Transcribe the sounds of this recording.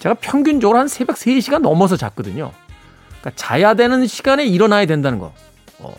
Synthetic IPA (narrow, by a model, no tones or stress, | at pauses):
t͡ɕe̞ɡapʰjʌŋɡjund͡ʑʌɡɯɾohansʰe̞be̞k̚s͈eɕʰiɡanːʌmʌs̬ʰʌt͡ɕa̰k̚k͈ʌdɯɲo̰ | k͈at͡ɕa̰jadwenɯnɕʰiɡane̞iɾʌnajadwendanɯnɡʌ̰ | ʌ̰